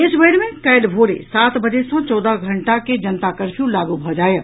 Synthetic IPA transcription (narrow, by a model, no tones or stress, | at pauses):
ɪsbəɽmẽkɐjlbʱoːɾḛsaːt̪bɐd͡ʒesɔ̃t͡ʃɔːd̪aɡʱɐ̃ɳʈaked͡ʒɐnt̪akəɾpʰjũlaːɡubʱɔd͡ʒaːje